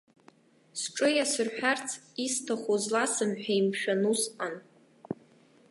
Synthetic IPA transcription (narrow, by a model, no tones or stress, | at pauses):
sʈ͡ʂʼɨjasɨrħᶣart͡sʰistʰaχʷozlasɨmħᶣajmʃᶣanusqʼan